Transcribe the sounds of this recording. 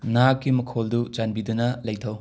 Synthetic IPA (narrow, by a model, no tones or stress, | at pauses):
nakːimɐkʰoldud͡ʒanbidunɐlɐjtʰɐw